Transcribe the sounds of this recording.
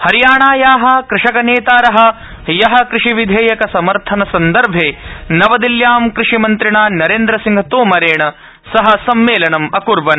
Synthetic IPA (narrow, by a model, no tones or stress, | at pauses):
hɐɾijaːɳaːjaːɦɐ̆kɾɪʂɐkɐneːt̪aːɾɐɦɐ̆ | jɐɦɐ̆kɾɪʂiʋid̪ʱeːjɐkɐsɐmɐɾt̪ʰɐnɐsɐnd̪ɐɾbʱeːnɐʋɐd̪iljaːmkɾɪʂimɐnt̪ɾiɳaːnɐɾeːnd̪ɾɐsiŋɡʱɐt̪oːmɐɾeːɳɐ | sɐɦɐsɐmːeːlɐnɐmɐkuɾʋɐn